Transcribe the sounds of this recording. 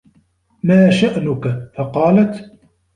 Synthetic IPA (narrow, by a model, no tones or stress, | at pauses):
maːʃaʔnʊkafɑqɑːlat̪